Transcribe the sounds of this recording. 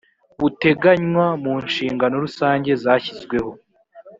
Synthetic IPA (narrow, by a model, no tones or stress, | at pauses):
βute̞ɡaɲwamunʃiːŋɡano̞ɾusaːɲɟe̞zaːçizɡwe̞ho̞